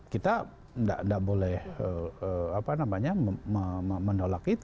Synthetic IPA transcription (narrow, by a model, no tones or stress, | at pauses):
kit̪a | nda̰ʔndaʔbolɛhəəapanamaɲamməmənolakit̪